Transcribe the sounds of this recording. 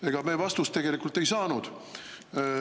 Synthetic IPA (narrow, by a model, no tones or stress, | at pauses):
e̞ɡ̥ɑmeːvɑst̪ust̪ːe̞ɡ̥e̞likːult̪ːe̞jsɑːnud̪̥